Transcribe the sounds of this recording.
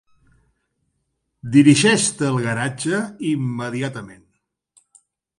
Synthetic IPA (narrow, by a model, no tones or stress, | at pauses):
d̪iɾiʒɛʃt̪əəlˠɣəɾad͡ʒəimːəðiat̪əmen